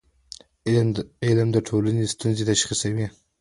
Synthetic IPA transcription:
ɪlmd̪əʈʰolanest̪unzet̪aʃχisawi

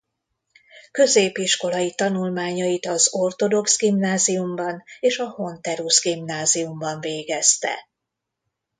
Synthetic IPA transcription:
kø̞zeːpiʃko̞lɒjit̪ɒnulmaːɲɒjit̪ɒzort̪o̞d̪o̞ksɡimnaːzijumbɒneːʃɒho̞nt̪ɛɾusɡimnaːziumbɒɱveːɡɛst̪ɛ̰

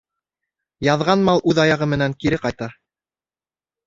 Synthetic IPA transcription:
jɑðʁɑnmɑlˠʔʉðɑjɑʁɤmɘ̆næŋkiɾɘqɑjt̪ɑ

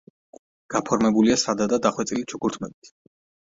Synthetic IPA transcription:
ɡ̥apʰɔɾmɛbuliasad̪ad̪ad̪aχwɛt̪sʼilit͡ʃʰukʰuɾt̪ʰmɛbit̪ʰ

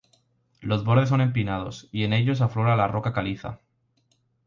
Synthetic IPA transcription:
lo̞zβo̞ɾð̞eo̞nẽ̞mpinað̞o̞sie̞ne̞ʎo̞s̬aflo̞ɾalaro̞kakaliθa̰

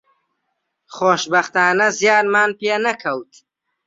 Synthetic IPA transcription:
χoːʃbɐχt̪aːnɐzjaːɾmaːnpeːnɐkʰɐwt̪

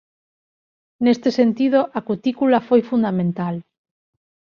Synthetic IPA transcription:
nest̪esent̪ið̞oʔakut̪ikulafojfund̪amẽnt̪al

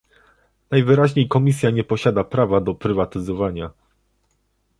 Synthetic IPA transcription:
najvɘɾaʑɲejkɔmʲis̬ʲjaɲɛpɔɕad̪apɾavad̪ɔpɾɘvat̪ɘzɔvaɲa

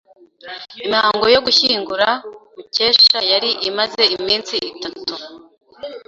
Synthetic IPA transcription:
imihaːŋɡo̞jo̞ɡuçiːŋɡuɾamuce̞ːʃajaɾiʔimaze̞imiːnt͡siitatu

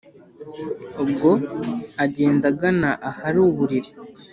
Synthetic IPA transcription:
ubɡo̞aɟe̞ːndaɡanaʔahaɾuːβuɾiɾi

